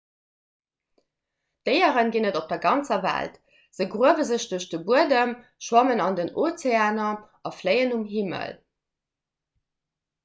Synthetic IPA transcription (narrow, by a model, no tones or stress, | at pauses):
d̥əɪəʁənɡinədop̚d̥ɐɡɑnt͡sɐvæ̰lt | z̥əɡʁuəvəzəɕd̥uɐɕd̥əbuədəmʃwɑmənɑndənot͡seaːnɐ | ɑfləɪənumɦimə̰l